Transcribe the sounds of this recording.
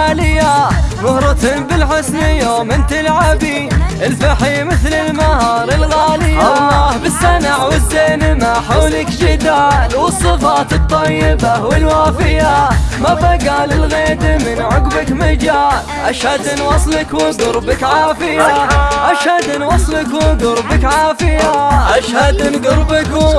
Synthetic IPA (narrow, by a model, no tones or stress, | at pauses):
lɪjːamʊhɾˤɪt̪hɪmbɪlħɪsnɪjoːmɪnt̪ɪlʕabi | ʔɪlfaħimɪθlɪlmahɑːɾˤɪlɣaːlɪjawɑlˤːɑːhbɪsːanaʕwɪzːeːnmaħawlɪkd͡ʒɪd̪aːlwɨsˤːɨfɑːt̪ɨt̪ˤːɑjːɪbawɪlwaːfɪjamabaɡaːlɪlɣeːd̪mɪnʕʊɡbɪkmad͡ʒaːlʔaʃhad̪ɪnwɑsˤlɪkwɪɡʊɾbɪkʕaːfɪjaʔaʃhad̪ɪnwɑsˤlɪkwɪɡʊɾbɪkʕaːfɪjaʔaʃhad̪ɪnɡʊɾbɪk